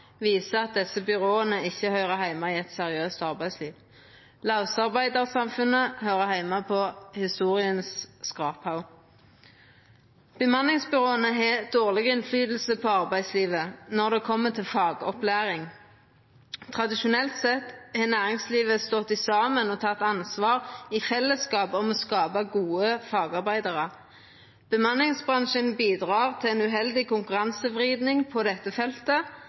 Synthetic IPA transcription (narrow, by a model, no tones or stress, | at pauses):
ʋiːsəɑt̪̚d̪ɛsəbʏʁoːənəɪçːəhœʏʁəhæɪmɑɪːɛt̪sɛʁɪøːst̪ɑʁbæɪsliːʋ | lɑʊsɑʁbæɪd̪əʁsɑmfʉnəhœʏʁəhæɪmɑpʰɔhɪst̪uːʁɪənsskʁɑːphɑʊ | b̥əmɑnɪŋsbʏʁoːənəɦeːd̪̥oːʁlɪɡəɪnflyːd̪l̩səpʰɔɑʁbæɪsliːʋənɔʁd̪ɛːkʰɔmːət̪ʰɪlfɑːɡɔplæːʁɪŋ | t̪ʰʁɑd̪ɪʃʊnɛlt̪sɛt̪ːhɛnæːʁɪŋsliːʋəst̪ɔt̪ːɪsɑːmənɔːt̪ʰɑt̪ːɑnsʋɑːʁifɛlːəskɑːpɔmoːskɑːbɑɡuːəfɑːɡɑʁbæɪd̪ɑʁə | b̥əmɑnɪŋsbʁɑŋʃənbiːd̪ʁɑːʁt̪ʰɪɛnʉɦɛld̪ɪkʊŋkʉʁɑnsəʋʁiːd̪nɪŋpʰɔd̪ɛt̪ːəfɛlt̪ə